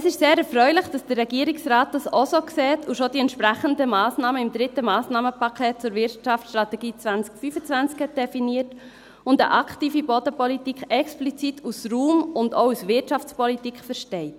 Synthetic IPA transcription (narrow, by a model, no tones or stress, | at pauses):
əsɪʃseːɾɛɾfɾœʏlɪχd̥ɑsd̥əɾːɛɡiəɾɪksraːt̚d̥ɑsosoksɛːtʰuʃodiɛntʃpɾæχəndəmɑːsnɑːməɪmd̥̪ɾɪtəmɑːsnɑːməpɑkʰɛːt̚t͡sʊɾvɪɾtt͡ʃɑfsʃtɾɑtɛɡ̥iːt͡sʋænt͡skfyfət͡sʋænt͡skhɛt̚d̥ɛfiniːət | ʊndə̰ʔɑkχtiːfibodəpɔlitikʰɛksplit͡sitʰusruːmʊndousʋɪtt͡ʃɑft͡spɔlitikχfəɾʃtɛɪt